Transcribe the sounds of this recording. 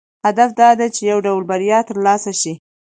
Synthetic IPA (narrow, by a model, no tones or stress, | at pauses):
had̪afd̪ɑd̪at͡ʃejawɖawlbaɾjɑt̪əɾlɑsaʃi